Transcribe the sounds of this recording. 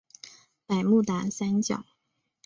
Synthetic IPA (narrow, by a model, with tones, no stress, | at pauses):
pa˨˩ɪmu˥˩t̪a˧˥sa˥nt͡ɕjɑ̰˨˩˦